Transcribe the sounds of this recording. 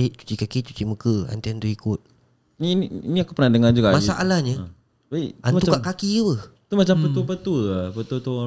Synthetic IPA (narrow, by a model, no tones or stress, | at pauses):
iʔt͡ʃu̥t͡ʃikakit͡ʃu̥t͡ʃimukəa̰nt̪iant̪uikʊt̪̚ | niniinĩakupərnadəŋand͡ʒuɡaʔmasaʔalahɲə | baianukaʔkakiəpət̪umat͡ʃampət̪upət̪upət̪ut̪u